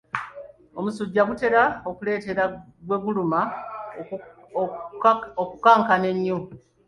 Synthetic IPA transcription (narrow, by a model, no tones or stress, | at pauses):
omusuɟːaɡute̞ɾaokule̞ːte̞ɾaɡwe̞ɡuluma | okukaːŋkane̞ɲːo